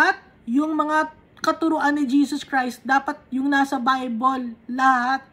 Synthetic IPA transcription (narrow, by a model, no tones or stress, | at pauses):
at̪̚ | jʊŋmɐŋa | kɐt̪ʊɾʊʔanːɪd͡ʒiːsoskɾajst̪̚d̪aːpɐt̪̚jʊŋnaːsɐbajbolːɐhat̪̚